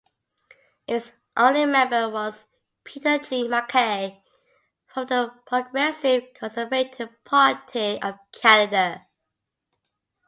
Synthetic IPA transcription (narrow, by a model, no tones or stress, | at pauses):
hɪz | ʔõʊ̃nlimɛ̃mbəwɔz̥ | pʰitəd͡ʒĩmakʰeɪ | fɹə̃mðəpʰɹ̥əɡɹɛsɪv̥kʰɔ̃nsəveɪtʰɪv̥pʰɑɹtʰiəv̥kʰænɨdə